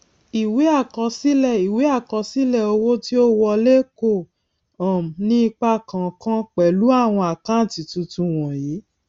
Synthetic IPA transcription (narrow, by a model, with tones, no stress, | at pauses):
i˨we˨˦a˦˨kɔ˧si˦lɛ˦˨i˨we˨˦a˦˨kɔ˧si˦lɛ˦˨o˧wo˦ti˦o˦wɔ˧le˦ko˦˨ | ã˨m˨nĩ˦i˧k͡pa˧˨kã˨kã˦k͡pɛ˨lu˨˦a˦˨w̃ɔ̃˧a˨kã˨˦˨ti˨tũ˧tũ˧w̃ɔ̃˨jiː˨˦